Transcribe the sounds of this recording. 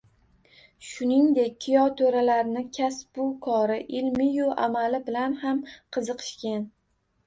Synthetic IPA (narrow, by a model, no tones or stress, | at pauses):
ʃʊnɪŋd̪e̞k̚ʲːʰijɒt̪ʰoɾalaɾnɪkʲʰasbʊkʰɒɾɪʔɪlmɪjʊʔa̰malɪbɪlanhamqʰɨzɨqʰɨ̥ʃkʲan